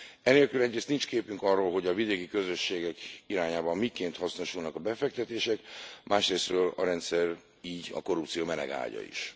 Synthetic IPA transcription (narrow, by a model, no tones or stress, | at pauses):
ɛneːlkylɛɟɾeːst̪nint͡ʃkeːpyŋkɒrːoːlɦo̞ɟɒvid̪eːkikø̞zø̞ʃːeːɡɛkiɾaːɲaːbɒmːikeːnt̪hɒsnoʃulnɒkɒbɛfɛk̚t̪ɛt̪eːʃɛkmʔaːʃreːst̪røːlɒ̰ɾɛnt̪sɛr | iːɟɒ̰ko̞rupt̪sijoːmɛnɛ̰ɡa̰ːɟɒ̰ḭʃ